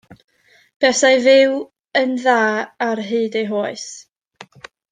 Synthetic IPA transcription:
b̥ɛsajvɪw | ənðaːarɦɨːdejɦoːɨs

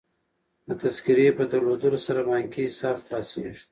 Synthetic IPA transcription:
d̪ət̪askiɾepəd̪aɾlod̪əlosaɾamɑŋkiɪsɑːfpɑsiʃt̪

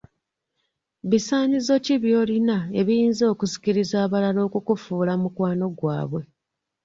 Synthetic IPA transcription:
βisaːɲizo̞ciβjo̞ːlinae̞βiiːnzo̞ːkuzi̥ciɾizaːβalalo̞ːkukufuːlamukwaːno̞ɡwa̰ːβwe̞

